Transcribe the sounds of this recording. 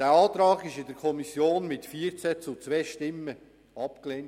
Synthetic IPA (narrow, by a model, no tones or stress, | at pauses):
d̥æːɑːt̪ɾɑːɡɪʃɪdəɾkʰɔmisjoːnmɪtfiːəɾt͡sæt͡sʊt͡sʋɛːʃtɪmːə | ɑpkleːn